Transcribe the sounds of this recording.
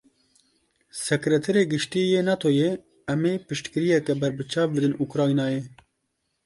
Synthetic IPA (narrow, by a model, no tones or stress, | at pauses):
sɛkɾɛt̪ʰɛɾeːɡɨʃt̪iːjeːnɑt̪ʰojɛ | ɛmeːpɨʃt̪kɨɾijɛkɛbɛɾbɨt͡ʃʰɑːfbɨd̪ɨnukɾɑːinɑːjeː